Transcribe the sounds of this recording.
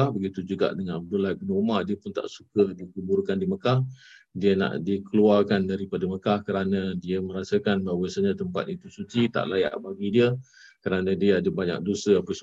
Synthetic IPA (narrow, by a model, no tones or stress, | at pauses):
abəɡit̪ud͡ʒuɡa̰ʔdəŋanbəlajbənəumadiəpʊnt̪a̰ʔsukədikəbuɾukandiməkah | diəna̰ʔdikəluarkandaɾipadəməkahkəɾanədiəməɾasəkanbaɦwasəɲat̪əmpa̰t̪it̪usut͡ʃit̪a̰ʔlaja̰ʔbaɡidiə | kəɾanə̃diəadəbaɲa̰k̚dosəapəs